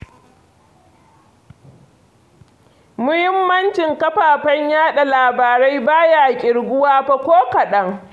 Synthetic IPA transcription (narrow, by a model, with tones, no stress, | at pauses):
mʊ˦hɪ˦mːɐ˦nt͡ʃɪ˨ŋkɐ˦ɸaː˨ɸɐ˦ɲjaː˦ɗa˨laː˨baː˨ɾa˦jbaː˦jaː˨kʲʼɪ˨ɽɡʷʊ˦waː˦ɸɐ˦kʷoː˦kɐ˨ɗɐ˦ŋ